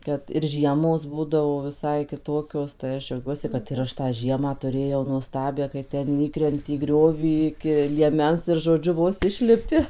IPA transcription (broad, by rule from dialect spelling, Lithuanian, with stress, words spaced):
ˈkɐt ɪr ˈʒʲiɛmoːs ˈbuːdɐʋoː ʋʲɪˈsɐɪ kʲɪˈtoːkʲoːs tɐɪ ˈɐʃ d͡ʒʲɛʊˈɡʲuɔsʲɪ kɐt ɪr ˈɐʃ tɑː ˈʒʲiɛmɑː tʊˈrʲeːjɛʊ nuɔˈstɑːbʲæː kɐɪ ˈtʲɛn ˈiːkrʲɛnʲtʲɪ iː ˈɡrʲoːʋʲiː ɪkʲɪ lʲiɛˈmʲɛns ɪr ʒoːˈd͡ʒʲʊ ˈʋoːs ˈɪʃʲlʲɪpʲɪ